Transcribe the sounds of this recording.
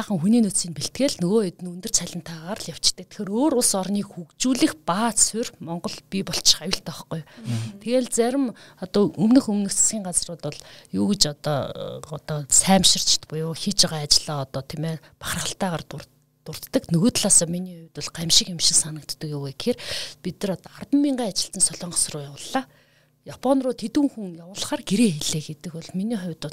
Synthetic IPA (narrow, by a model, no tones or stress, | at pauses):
χə̆ŋxuniːnɵt̪siːnpiɬt̪̚ɡeːɮnɵɣoːɵt̪ɘ̆nɵnt̪ɵr̥t͡sʰæɮʲɪ̆nt̪ʰaːʁaɾə̆ɮjaw̥t͡ɕt̪ə̆kt̪ʰe̥xeːɾoːɾʊɮsɔrniːxukt͡ɕuːɮĭxpaːsʊrmɔɴɢɞ̆ɮpʲipɔɬt͡ɕʰajʊ̆ɬt̪ɔχɡujt̪ʰeɣeːɮt͡sæɾʲɪ̆mɔt̪ɔɵmnɵ̆xɵmnɵ̆kt͡s̆sɡʲiːŋɢat͡srʊːt̪ʊɮjuːɣĕt͡ɕɔt̪ɔːɔt̪ɔsæːmʃɪ̆r̥t͡ɕʰɪ̥t̪pʊjʊːxit͡ɕaʁaːat͡ɕɪ̆ɮaːɔt̪ɔːt̪ʰimeː | pḁχrə̆χə̆ɬt̪æːʁaːrʊ | t̪ʊr̥t̪ːə̆knɵɣoːt̪ɮaːsɔːminiːχʊwʲt̪ʊ̆ɮɢamʃɪ̆kɪmʃɪ̥̆ksanə̆kt̪ːə̆kjuɣeːkʰerpit̪ɘ̆rɔt̪ɔart̪ə̆mːiɴɢaːat͡ɕɪ̆ɬt̪ɘ̆nsɔɮɔːɴɢə̆srʊːjawə̆ɮːaː | japʰɔnrʊːt̪ʰet̪uːŋxuŋjawʊːɮ̆χaːrɡeɾeːxeɮeːɡet̪ɘ̆kʊɮminiːχʊ̟wʲt̪ʊ̆ɮ